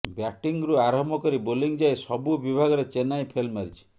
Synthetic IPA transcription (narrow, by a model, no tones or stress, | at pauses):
bjaʈiŋɡɾuaɾɔɦmɔkɔɾiboliŋd͡ʒajsɔbubibʱaɡɔɾet͡ʃenajpʰelmaɾit͡ʃʰi̥